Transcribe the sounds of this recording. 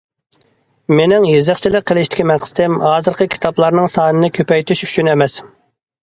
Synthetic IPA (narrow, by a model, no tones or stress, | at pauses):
menɪŋjezɪχt͡ʃʰilɪk̚ʲqʰːəlˠɪʃt̪ɪ̥kʲʰimɛnqʰə̥t̪ɪmhɑːzɨɾqʰəkʲʰi̥t̪ʰɑplˠɑɾnɨŋsɑːnɨnɨkʲʰøpɛjt̪yʃy̥t͡ʃʰynɛmɛs